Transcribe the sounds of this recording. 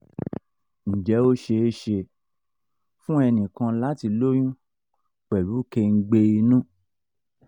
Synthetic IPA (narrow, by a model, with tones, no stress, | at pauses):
n̩˨d͡ʒɛ˨˦o˦ʃe˧e˦ʃe˧ | fũ˦ɛ˧nĩ˨kã˧la˨˦ti˧lo˦j̃ũ˦ | k͡pɛ˨ɾu˨˦ke˧ŋ̩˦ɡ͡be˧i˧nũ˦